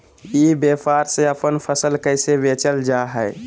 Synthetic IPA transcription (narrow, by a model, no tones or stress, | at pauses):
ibepʰaɾsẽəpənpʰəsəlkəjsebet͡ʃəld͡ʒaɦɛɪ